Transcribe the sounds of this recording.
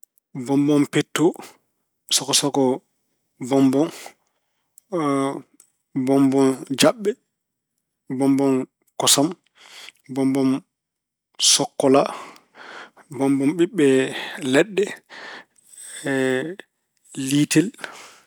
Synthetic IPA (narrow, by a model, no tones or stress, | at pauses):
bɔmbɔmpetːo | sɔkɔsɔkɔ | bɔmbɔn | bɔmbɔnd͡ʒaɓːɛ | bɔmbɔn | kɔsam | bɔmbɔm | sɔkːɔla | bɔmbɔmɓiɓːɛlɛɗːɛ | litɛl